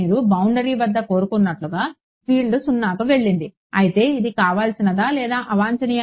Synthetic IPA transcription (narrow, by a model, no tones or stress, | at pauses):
iːɾubɐwɳɖɐɾiːʋɐd̪ːɐko̞ːɾukunːɐʈluɡaː | piːɭɖusunːaːkuʋe̞ɭːind̪i | ɐjit̪e̞ːid̪ikaːʋaːlsinɐd̪aːlɛːd̪aːʔɐʋaːɲt͡ʃɐnij